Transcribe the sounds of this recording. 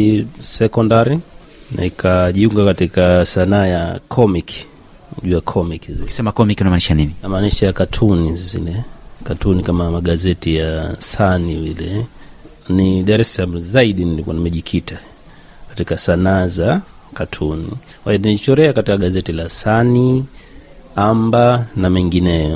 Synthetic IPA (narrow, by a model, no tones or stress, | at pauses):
sɛkɔndaɾi | nʔa̰ikʰaʄiuŋɡakatikasanaːjakʰɔmikʰi̥ | ʄuakʰɔmikiziksɛmakɔmikunamaniʃaanininamaːniʃajakatʰunizḭlɛkatunikamamaɠazɛtijasanivilɛ | niɗaɾɛsalam̩zaiɗinilikɔnimɛʄikʰita | kḁtikasanaːza | katʰuni | kwaiɔnilit͡ʃɔɾɛakatikaɠazɛtilasani | ambanamɛŋɡinɛjɔ